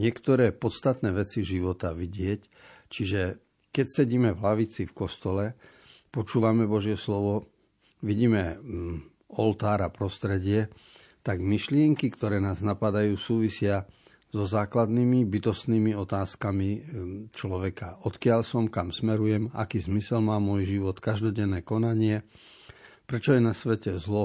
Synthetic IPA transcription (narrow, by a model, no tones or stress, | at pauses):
ɲɪɛkt̪ɔɾɛːpɔt̪st̪at̪nɛːʋɛt͡siʒiʋɔt̪aʋiɟɪɛc | t͡ʃiʒɛ | kɛcsɛɟiːmɛvlaʋit͡sifkɔst̪ɔlɛ | pɔt͡ʃuːʋamɛbɔʒɪɛslɔʋɔ | ʋiɟiːmɛ | ɔlt̪aːɾapɾɔst̪ɾɛɟɪɛ | t̪aɡmiʃlɪɛŋkikt̪ɔɾɛːnaːznapad̪ajuːsuːʋisɪa | zɔzaːklad̪nimibit̪ɔst̪niːmiɔt̪aːskamit͡ʃlɔʋɛkaʔɔt̪kɪaʎsɔmkamsmɛɾujɛma̰kiːzmisɛlmaːmɔjʒiʋɔt̪kaʒd̪ɔɟɛnːɛːkɔnaɲɪɛ | pɾɛt͡ʃɔjɛnasʋɛcɛzlɔ